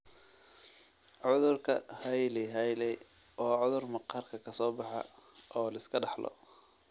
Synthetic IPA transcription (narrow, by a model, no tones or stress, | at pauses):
ʕʊðʊrkʰɐhɐjlɛɦɐjlɛj | ʔɔːʕʊðʊrmɑqɑːrkʰɐkʰɐsɔːbɑħɑ̰ʔɔːlɐɪskʰɐɖɑħlʔɔ̰